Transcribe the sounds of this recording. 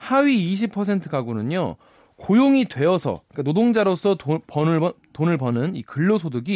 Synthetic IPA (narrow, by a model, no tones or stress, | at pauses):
haɥiːɕ̬ʰipʰʌs̬ʰe̞ntʰɯɡaɡonɯɲo | kojoŋidwe̞ʌsʰʌ̰ik͈anodoŋd͡ʑaɾos͈ʰʌpʌnɯtonɯɭpʌnɯnikɯɭːosʰoduɡi